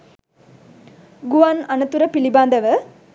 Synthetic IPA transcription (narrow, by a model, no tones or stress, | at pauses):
ɡʊʋaːnɐnɐt̪ːuɾɐpɪlibaːnd̪ɐʋɐ